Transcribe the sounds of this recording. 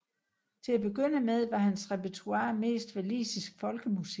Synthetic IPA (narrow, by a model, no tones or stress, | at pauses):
t͡sʰe̝læb̥e̝ɡ̥øn̰əmeð̞ˠʋɑ̈hænsʁepæt͡sʰuɑ̰̈ːme̝̰ːsd̥ʋælḭːsisɡ̥fɒ̽lɡ̥əmusi̥